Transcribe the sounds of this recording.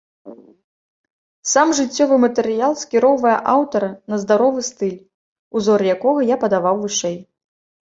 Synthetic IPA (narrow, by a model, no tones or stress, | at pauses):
samʐɨt͡sʲːɔvɨmɐt̪ɛɾɨjalˠsʲkʲiɾɔwvɐjɐ̰ʔawt̪ɐɾɐnɐzd̪aɾɔvɨst̪ɨlʲ | uzɔrjakɔɣɐjapɐd̪avawvɨʂɛj